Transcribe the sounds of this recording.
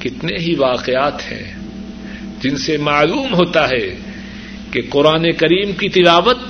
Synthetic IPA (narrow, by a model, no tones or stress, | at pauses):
kɪt̪neɦiʋaːqeaːt̪hɛ̰̃ː | d͡ʒɪnsemaːluːmɦoːt̪aɦɛ | keqʊɾaːnekɐɾiːmkit̪ɪlaːʋət̪̚